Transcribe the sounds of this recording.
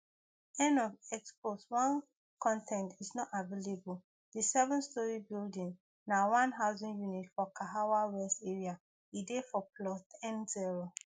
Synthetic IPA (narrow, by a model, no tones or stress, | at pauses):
ɛ̃nɔvɛksposwãn | kɔ̃ntʰɛ̃ntʰiznɔtavelebul | disɛvɔ̃nstɔɹibildĩŋ | nawãnɦaʊzĩnjunitfɔkʰaɦawawɛsteɹia | idefɔplɔstʰɛ̃nziɹo